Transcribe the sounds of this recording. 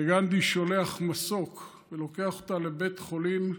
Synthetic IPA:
eɡandiʃo̞le̞aχmaso̞k | velo̞ke̞aχot̪ale̞be̞tχo̞lim

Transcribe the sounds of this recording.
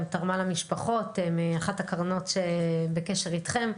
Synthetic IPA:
mtaʁmalamiʃpaχo̞temiaχathakaʁno̞tʃebekeʃe̞ʁitχe̞m

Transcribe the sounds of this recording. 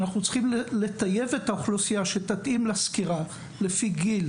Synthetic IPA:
naχnut͡sχimle̞t̪aje̞vet̪aoχlosijaʃet̪at̪ʔimlaskiʁa | le̞fiɡil

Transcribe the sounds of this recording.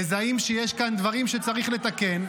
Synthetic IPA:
ezaimʃejeʃkand̪vaʁimʃet͡saʁiχle̞t̪ake̞n

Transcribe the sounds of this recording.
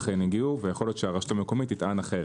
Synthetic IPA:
χeniɡiuvejeχo̞ljo̞t̪ʃeaʁaʃu̥t̪amekomit̪ːit̪ʔanaχe

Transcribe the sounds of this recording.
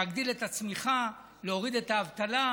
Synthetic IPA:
aɡd̪ile̞t̪at͡smiχa | leo̞ʁid̪e̞t̪aːvt̪ala

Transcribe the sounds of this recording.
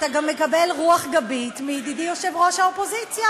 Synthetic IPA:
t̪aɡamːekabe̞lʁuaχɡabit̪mid̪idijoʃe̞vʁo̞ʃhaopo̞zit͡sja

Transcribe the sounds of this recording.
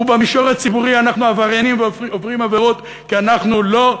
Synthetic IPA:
ubamiʃoʁat͡sibuʁianaχnuavaʁanimvovʁimaveʁo̞t̪ | kianaχnulo̞

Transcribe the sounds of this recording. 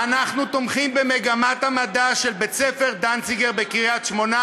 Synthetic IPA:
anaχnut̪omχimbeme̞ɡamat̪amad̪aʃe̞lbe̞t͡sefe̞ʁd̪ansiɡeʁbekiʁiatʃmo̞na

